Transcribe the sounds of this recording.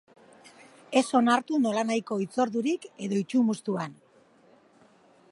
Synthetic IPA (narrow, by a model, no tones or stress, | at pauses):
e̞so̞naɾt̪uno̞lanajko̞it͡so̞ɾðuɾike̞ðo̞it͡ʃumust̪uan